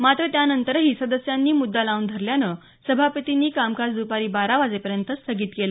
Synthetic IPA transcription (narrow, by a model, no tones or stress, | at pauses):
mat̪ɾət̪janənt̪əɾɦiːsəd̪əsjanːiːmud̪ːalaund̪ʱəɾljanə | səbʱapət̪iniːkamkad̪upaɾiːbaɾaʋad͡zepəɾjənt̪əst̪ʰəɡiːt̪kelə